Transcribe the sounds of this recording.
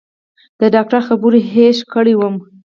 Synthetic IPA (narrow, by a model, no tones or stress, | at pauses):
d̪̥əɖɑk̚ʈaɾxabuɾiɦeʃkəɽiwəm